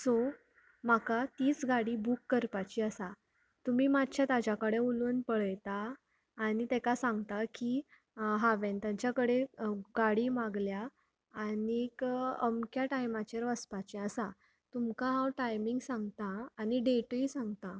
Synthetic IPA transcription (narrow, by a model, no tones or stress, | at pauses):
so | m̤akat̪iːt͡sɡaɽiːbukːəɾpat͡ɕiəsa | t̪umiːmad̪t͡ɕʰjat̪ad͡ʑakəɽeulunpəɭəjt̪aː | ñit̪ɛkasãŋɡt̪aki | ɦaʋent̪jãt͡ɕjakəɽeɡaɽiːmaɡljaː | nikə̰mkjaʈajmat͡ɕeɾʋəspat͡ɕɛəsa | t̪umkãɦãwʈajmiŋɡsãŋɡt̪aːniɖeʈisãŋɡt̪a